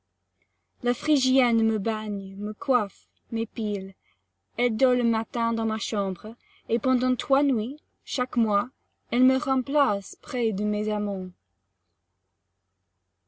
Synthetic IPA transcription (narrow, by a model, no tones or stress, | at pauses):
lafχiʒjɛnməbaɲməkwaf | mepil | ɛld̪ɔləmat̪ɛ̃d̪ɑ̃maʃɑ̃bʁ | epɑ̃d̪ɑ̃t̪χwanwi | ʃakmwa | ɛlməʁɑ̃plaspχɛd̪əmezamɑ̃